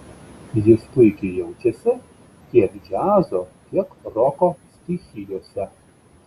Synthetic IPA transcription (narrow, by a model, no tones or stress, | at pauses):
jɪsp̪ʊɪkʲɪjɛʊt͡ʃʲɛsʲɪ | kʲiɛkd͡ʒʲæːzokʲiɛkɾɔkosʲt̪ʲixʲɪjoːsʲɛ